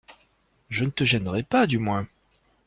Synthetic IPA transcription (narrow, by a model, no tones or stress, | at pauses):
ʒənət̪əʒɛnʁɛpad̪ymwɛ̃